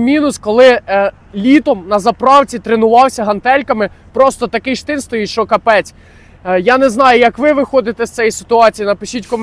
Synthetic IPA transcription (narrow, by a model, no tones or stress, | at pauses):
mʲinʊskɔlˠɪ | lʲit̪ɔmnɐzɐpɾɑwt͡sʲit̪ɾɪnʊʋɑwsʲɐɦɐnt̪ɛlʲkɐmɪ | pɾɔst̪ɔt̪ɐkɪjʃt̪ɪnst̪ɔjitʲʃt͡ʃɔkɐpɛt͡sʲ | janɛznɑjʊjɐkʋɪʋɪxɔd̪ɪt̪ɛst̪sɛjisɪ̥t̪ʊɑt͡sʲijinɐpɪʃʲitʲkɔm